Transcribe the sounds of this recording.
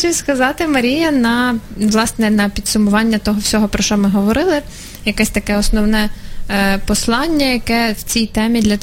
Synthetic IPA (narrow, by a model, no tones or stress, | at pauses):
t͡ʃʊskɐzɑt̪ɪmɐɾʲijɐnɐʋlˠɑsnɛnɐpʲid̪sʊmʊʋɑnʲːɐt̪ɔɦɔwsʲɔɦɔpɾɔʃt͡ʃɔmɪɦɔʋɔɾɪlˠɪ | jɐkɛsʲt̪ɐkɛɔsnɔwnɛ | pɔslˠɑnʲːɐjɐkɛw̥t͡sʲijt̪ɛmʲid̪lʲɐ